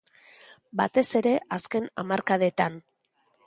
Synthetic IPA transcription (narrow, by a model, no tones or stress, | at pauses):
bat̪e̞se̞ɾe̞ʔaske̞na̰maɾkaðe̞t̪an